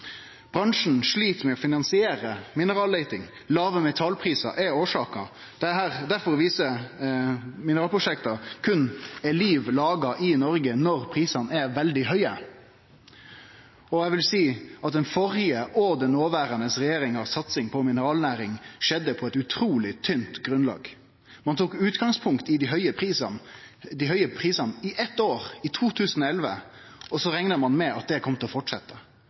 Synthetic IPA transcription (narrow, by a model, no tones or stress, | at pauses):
b̥ɾɑŋʂɳ̩ʂɭiːt̪mɛɔfɪnɑnsɪeːɾəmɪnəɾɑːleɪt̪ɪŋ | lɑːʋəmɛt̪ʰɑlpʰɾiːsɑ̰ʔɛoːʂɑːkɑ̰ | d̪̥ɛhæɾd̪æɾfɔɾɔʋiːsə | mɪnəɾɑːlpʰʊʂɛkt̪ɑkʰʉnɛliːʋlɑːɡɑʔɪnɔɾɡənɔɾpʰɾiːsɑnɛʋɛld̪ɪhœʏə | ɔɛɪʋɪlsiːɑt̪̚d̪ɛnfɔɾɪəʔɔd̪ɛnːoːʋæːɾɑnəsʁɛjeːɾɪŋɑsɑt̪sɪŋpʰɔmɪnəɾɑːlnæːɾɪŋʃɛd̪ːəpʰɔɛt̪ʉt̪ʰɾuːlɪt̪ʰʏnt̪ɡɾʉnlɑ̰ːɡ | mɑnt̪ʰuːkʉːt̪ɡɑŋspʰʊŋkt̪ɪd̪ɪɦœʏəpisɑ | d̪ɪɦœʏəpʰɾiːsɑnɪʔɛt̪ːoːɾɪt̪ʰuːt̪ʰʉːsən̩ɔɛlʋə̰ | ɔsɔɾɛŋnəmɑnmɛɑt̪̚d̪ɛkʰɔmt̪əlɔfɔʈʂɛt̪ːə